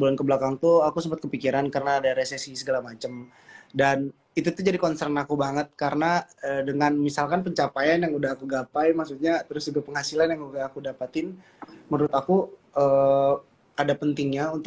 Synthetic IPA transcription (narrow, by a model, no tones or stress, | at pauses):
bulankəblakaŋt̪uakusəmpat̪̚kəpikiɾankarənaːdaɾesesisəɡalamat͡ʃəm | dan | it̪ut̪ud͡ʒadikɔnsɛrnakubaŋət̪̚kaɾənaədəŋanmisalkanpəɲt͡ʃapajanjaŋudaɦːkuɡapajmaksut̪̚ɲat̪əɾʊsd͡ʒuɡapəŋɦhasilanjaŋuɡaːkudapat̪ɪn | mənuɾʊt̪aku | əː | adapənt̪ɪŋɲaunt̪ʊ